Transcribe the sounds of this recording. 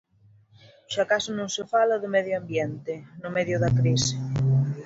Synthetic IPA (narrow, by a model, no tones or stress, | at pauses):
ʃakasʊnõŋsɪfalaðʊmɛðjoambjɛnt̪ɪnʊmɛðjʊðɐkɾisɪ̥